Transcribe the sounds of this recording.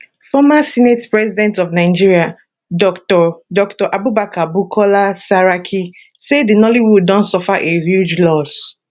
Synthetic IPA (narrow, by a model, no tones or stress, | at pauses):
fɔmasinetpɹɛzidɛ̃ntɔvnaɪd͡ʒiɹia | dɔktɔdɔktɔʔabubakabukʰɔlasaɹakʰi | sedinɔliwuddɔ̃nsɔfaʔehjud͡ʒlɔs